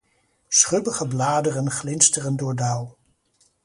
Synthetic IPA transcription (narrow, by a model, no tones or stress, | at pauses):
sχɵbəχəblaːdərənχlɪnstərəndʊːɹdaw